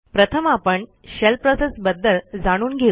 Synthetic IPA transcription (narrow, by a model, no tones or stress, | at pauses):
pɾət̪ʰəmapəɳɕelpɾɔsesbəd̪ːəld͡zaɽ̃uːnɡʱe